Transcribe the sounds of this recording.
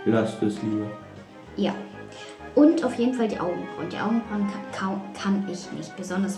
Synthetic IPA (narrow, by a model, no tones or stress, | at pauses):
b̥lastɛsliːbɐ | jaː | ʔʊntʔaʊfjeːdn̩faldiːʔaʊɡŋ̩b̥ʁʊ̰nd̥ḭːʔa̰ʊɡŋ̩bʁakʰakʰanɪçmɪ̰çb̥əzɔndɐs